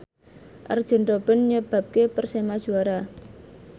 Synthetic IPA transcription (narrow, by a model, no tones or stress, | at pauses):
ʔə̰rd̥ʒ̥ə̤ɳʈɔb̥ə̤nɲəb̥a̤p̚kepərsemad̥ʒ̥ṳaɾa